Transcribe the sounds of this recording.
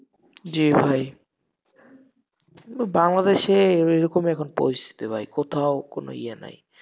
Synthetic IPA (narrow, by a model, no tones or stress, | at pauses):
d͡ʑibʱaj | baŋlad̪eʃeejɾɔkomɛkʰɔnpo̰ɾist̪ʰi̥t̪ibʱajkot̪ʰaʊkono̰ḭjana̰j